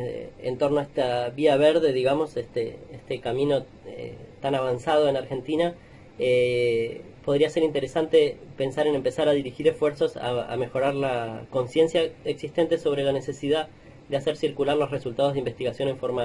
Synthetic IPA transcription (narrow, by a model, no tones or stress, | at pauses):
ḛnt̪o̞ɾnoaest̪aβiaβeɾðe̞ðiɣamo̞sest̪eest̪ekamĩno̞ | ḛt̪anaβ̞ansað̞o̞enaɾxe̞nt̪ina | e | poð̞ɾiaseɾint̪eɾesant̪e̞pe̞nsaɾe̞nempe̞saɾaðiɾixiɾe̞sfwe̞ɾso̞sa̰a̰me̞xo̞ɾaɾlako̞nsje̞nsjaeksist̪e̞nt̪e̞so̞β̞ɾe̞lane̞se̞siða | d̪easeɾsiɾkulaɾlo̞sresult̪aððeimbe̞st̪iɣasjo̞neɱfoɾma